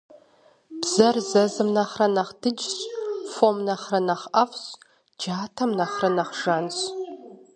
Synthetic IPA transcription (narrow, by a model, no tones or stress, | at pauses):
bz̥ɐrzɐzɨmnɐχrɐnɐχd̥ɨd͡ʒɕʼfomnɐχrɐnɐχɐfɕ | d͡ʒaːtʰɐmnɐχrɐnɐχʒanɕ